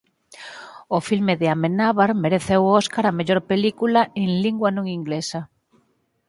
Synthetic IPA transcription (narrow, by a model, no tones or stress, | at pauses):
ofilmeðeamenaβaɾmeɾeθewɔskaɾameʎoɾpelikulaeŋliŋɡwanõŋiŋɡlesɐ